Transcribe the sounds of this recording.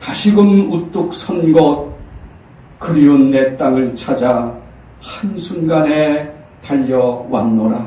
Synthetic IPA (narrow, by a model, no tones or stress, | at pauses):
taɕʰiɡɯnut͈uk̚s͈ʰʌnɡʌt̚ | kɯɾionːe̞t͈aŋɯɭt͡ɕʰad͡ʑa | hansʰunɡane | taʎːʌwa̰nːʌɾa